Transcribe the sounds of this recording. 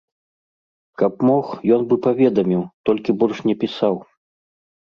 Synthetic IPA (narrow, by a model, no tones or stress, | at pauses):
kɐpmɔxjɔnbɨpavʲɛd̪ɐmʲiwt̪ɔlʲkʲibɔlʲʂnʲɛpʲisaw